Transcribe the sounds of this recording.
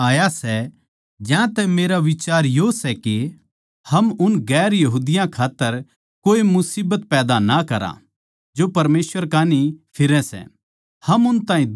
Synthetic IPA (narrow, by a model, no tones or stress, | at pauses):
aːjasɛ | d͡ʒjãt̪ɛmeːɾaʋɪt͡ʃaːɾjosɛke | hɐmʊnɡɛːɾjɐɦuːd̪ɪjãkʰaːt̪ːəɾ | koːimʊsiːbət̪̚pɛːd̪anɐkɐɾã̰ | d͡ʒopɐɾmeːsʋəɾkaːnipʰɪɾɛ̃sɛ̰ | hɐmʊnt̪ãːĩ